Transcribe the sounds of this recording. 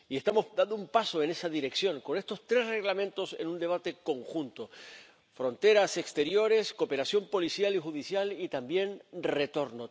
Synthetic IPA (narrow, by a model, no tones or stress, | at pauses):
ie̞st̪amo̞sd̪and̪oumpaso̞e̞ne̞saðiɾe̞ksjõ̞ŋko̞ne̞st̪o̞st̪ɾe̞sre̞ɣlamẽ̞nt̪o̞se̞̰nũnd̪e̞β̞at̪e̞ko̞ŋxũnt̪o | fɾõ̞nt̪e̞ɾase̞kst̪e̞ɾjo̞ɾe̞sko̞pe̞ɾasjo̞mpo̞lisjalixuðisjalit̪ambje̞nre̞t̪o̞ɾno